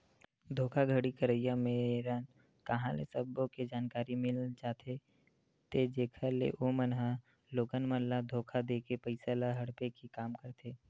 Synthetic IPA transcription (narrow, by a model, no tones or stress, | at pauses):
d̪ʱoːkʰaɡʱəɽikəɾəjameɾaːn | kɐɦãlḛsəbõked͡ʒaːnkaːɾimɪlt͡ʃaːt̪ʰe | t̪ed͡ʒeːkʰəɾlḛʔomənɦã | loːɡənmənlad̪ʱoːkʰad̪eːkepəɪsalaɦɐɽpekikaːmkəɾt̪ʰeː